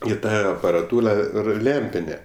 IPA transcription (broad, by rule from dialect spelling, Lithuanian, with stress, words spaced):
ɪ ˈtɐ ɐpɐrɐˈtuːlˠɐ ˈɪr ˈlʲɛmʲpʲɪnʲeː